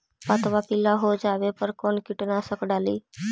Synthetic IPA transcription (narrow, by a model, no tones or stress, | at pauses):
pat̪ʋapɪlaɦod͡ʒaːʋepəɾkoɳkɪʈnasəkɽaliː